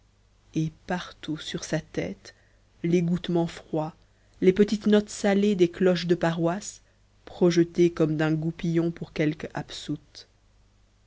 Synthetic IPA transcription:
epaʁt̪usyʁsat̪ɛ̰t̪ | leɡut̪mɑ̃fχwa | lepət̪it̪nɔt̪saled̪eklɔʃd̪əpaʁwas | pχɔʒət̪ekɔmd̪ɛ̃ɡupijɔ̃puʁkʲɛlka̰psut̪

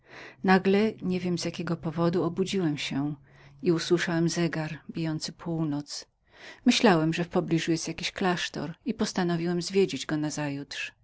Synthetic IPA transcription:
naɡlɛɲevʲjɛmzʲjakʲɛɡɔpɔvɔd̪uɔbud͡ʑiwɛmɕɛ | iuswɘʂawɛmzɛɡaɾbʲijɔnt̪sɘpʰuwnɔt̪s | mɘɕlawɛmʐɛfpɔblʲiʐujɛst̪jakʲiɕklaʂt̪ɔ̰ɾipɔst̪anɔvʲiwɛmzvʲjed͡ʑed͡ʑɡɔnazajutʂ

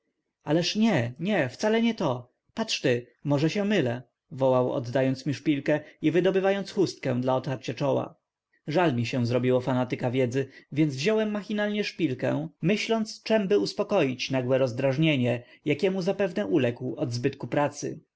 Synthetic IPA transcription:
alɛʂɲɛɲɛft̪salɛɲɛt̪ɔ | patʂt̪ɘ | mɔʐɛɕɛ̃mɘlɛ | vɔwawɔ̰d̪ːajɔnt̪smʲiʂpʲilkɛivɘd̪ɔbɘvajɔnt̪sxust̪̚kɛ̃w̃d̪laɔt̪faɾt͡ɕat͡ʂɔwa̰ | ʐalmʲiɕɛ̃w̃zɾɔbʲiwɔfanat̪ɘkavʲjɛd̪zɘvʲjɛnd̪zvʑɔwɛmːaxʲinalɲɛʂpʲilkɛ̰̃mɘɕlɔnt̪st͡ʂɛmbɘuspɔkɔjit͡ɕnaɡwɛɾɔzd̪ɾaʐɲeɲɛjakʲɛmuzapɛvnɛʔulɛkwɔd̪zbɘt̪kupɾat̪sɘ̰

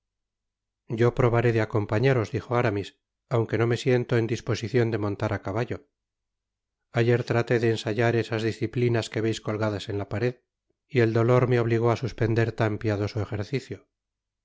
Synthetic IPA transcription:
ɟ͡ʝo̞pɾo̞βaɾe̞ðeako̞mpaɲaɾo̞zðixo̞aɾamis | awŋke̞no̞me̞sje̞nt̪o̞e̞nd̪ispo̞siθjo̞nd̪e̞mõ̞nt̪aɾʔakaβaʝo̞ | aʝe̞ɾt̪ɾat̪e̞ðe̞ːnsaʝaɾe̞sazðisθiplinaske̞βe̞jsko̞lɣaðase̞nlapaɾe̞ð | ie̞ld̪o̞lo̞ɾmeo̞β̞liɣ̞o̞asuspe̞nd̪e̞ɾt̪ampiaðo̞soexe̞ɾθiθjo

